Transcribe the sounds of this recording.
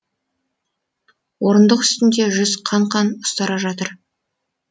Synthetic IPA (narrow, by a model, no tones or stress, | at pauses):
wo̞ɾənd̪əqʏ̥st̪ɪnd̪e̞ʒʏzqʰɑɴqʰɑnʊst̪ɑɾɑʒɑt̪əɾ